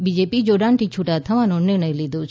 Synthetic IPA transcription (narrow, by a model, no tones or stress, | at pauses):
bid͡ʒeːpid͡ʒoːɖãːɳʈit͡ʃʰuʈat̪ʰɐmãnonːɪɾnəjlid̪oːt͡ʃʰ